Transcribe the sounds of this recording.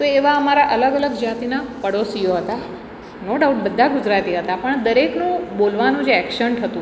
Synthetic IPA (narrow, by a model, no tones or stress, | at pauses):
t̪oeʋaəmaɾaʔələɡələɡd͡ʒat̪inapəɽosijoɦət̪a | noɖauʈbəd̪ʱːaɡʊd͡ʒɾat̪iɦət̪apəɳd̪əɾeknũbolʋanũd͡ʒeɛkʃəɳʈɦət̪ũ